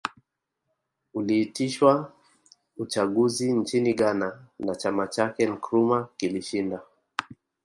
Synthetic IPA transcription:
uliːtiʃwa | ut͡ʃaɠuzint͡ʃiniɠananat͡ʃamat͡ʃakɛŋ̩kɾumakiliʃinda

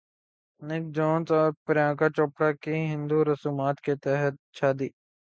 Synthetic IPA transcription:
nɪk̚d͡ʒɔ̃ːnzɔːɾpɾjãːkat͡ʃoːpɽakiɦɪ̃nd̪uɾɐsuːmaːt̪ket̪ɛɦət̪̚ʃaːd̪iː

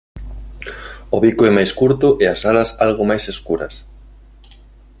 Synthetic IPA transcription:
oβikoɛmajskuɾt̪ʊʔeasalɐsalɣ̞omajseskuɾɐs

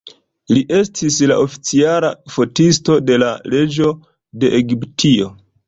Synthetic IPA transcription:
liʔe̞stʰislaʔo̞fi̥t͡sialafo̞tisto̞de̞lale̞d͡ʒo̞ | de̞ʔeɡiptʰio̞

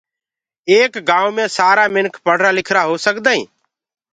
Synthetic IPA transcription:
eːkɡãːũːmẽːsaːɾaːmɪnkpəɽ̤ɾaːlɪkʰɾaːɦoːsəkd̪aːḭ̃ː

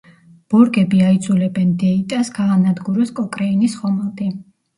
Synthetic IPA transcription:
b̥ɔɾɡɛbiaid̪zʰulɛbɛnd̪ɛit̪ʼasɡaːnad̪ɡuɾɔskʼɔkʼɾɛinisχɔmɛlˠd̪ʼi

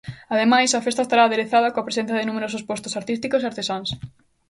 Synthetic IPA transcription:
ɐðemajsɐfest̪ɐest̪aɾaːðeɾeθaðɐkõɐpɾesẽn̟θjɐðenũmeɾosospost̪ʊsaɾt̪is̬t̪ikoseaɾt̪esans

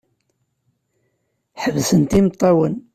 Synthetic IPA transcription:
ħəvsənt̪imt̪ˤːɑwən

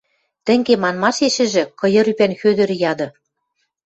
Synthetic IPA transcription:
t̪ɘ̆ŋɡemɑnmɑʃeʃɘ̆ʒɘ̆kɤ̆jɤ̆ɾypænxød̪ɘ̆ɾɘ̆jɑd̪ɤ̆

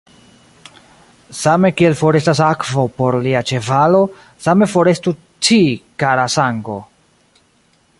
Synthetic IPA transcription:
same̞kie̞lfo̞ɾe̞stas̬akvopo̞ɾliat͡ʃe̞valo̞ | same̞fo̞ɾe̞stu | t͡ʃikaɾasaŋɡo̞̰

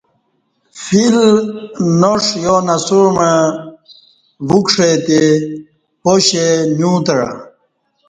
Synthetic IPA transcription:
fil | noʂjonasuɾma | vukʂet̪e | poɕenjũːt̪ɐɽa̰

